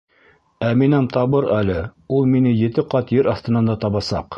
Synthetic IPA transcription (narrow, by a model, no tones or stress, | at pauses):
æminæmt̪ɑβɤɾælɘulˠminɘjɘ̆t̪ɘqɑt̪jɘɾɑθt̪ɤ̆nɑnd̪ɑt̪ɑβɑsɑ̰q